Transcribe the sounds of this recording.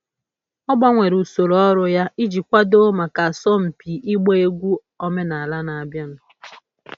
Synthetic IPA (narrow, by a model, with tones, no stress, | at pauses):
ɔ˦ɡ͡bɔ˦ŋʷe˨ɾu˨so˨ɾɔ˦ɾʊ˨ja˦i˦d͡ʒi˨kʷa˦do˦ma˨ka˨sɔ˦m̩˨pi˨ʔi˦ɡ͡be˦e˦ɡʷu˦ | ɔ˦me˦na˨a˨la˦na˨a˨bja˦nʊ˨